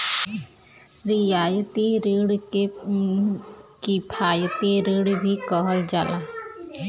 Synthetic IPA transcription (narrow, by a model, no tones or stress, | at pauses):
ɾijaːjt̪iɾeɽ | kipʰaːjət̪eɾeɽbʱikɔɦəld͡ʒaːla